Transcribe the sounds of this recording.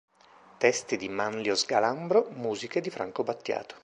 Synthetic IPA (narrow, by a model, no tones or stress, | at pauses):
t̪ɛst̪id̪imanljozɡalambɾomuːziked̪ifɾa̰ŋkobat̪ːja̰ːt̪o̥